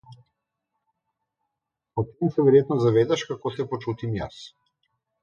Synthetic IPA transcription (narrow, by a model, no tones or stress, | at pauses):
ɔt̪ɛmusɛvɛɾɛt̪nɔzavɛd̪aʃkakɔsɛpɔt͡ʃut̪imja̰s